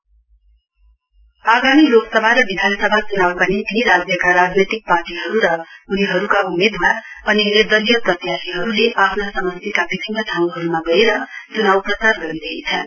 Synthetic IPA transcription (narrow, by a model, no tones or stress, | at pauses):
aɡamiloɡsʌbʱaɾʌbid̪ʱansʌbʱat͡sunawpʌnit̪iɾad͡zjʌkaɾad͡znet̪ik̚parʈiɦʌɾuɾʌuniɦʌɾukaumed̪maʌninerd̪ʌɾijʌprʌt̪jasiɦʌɾuleʔapʰnasʌmʌnt̪ikabibʱinːʌd̪ʱaw̃ɦʌɾumaɡʌeɾʌt͡sunawprʌsarɡʌɾid̪eit͡sʰʌn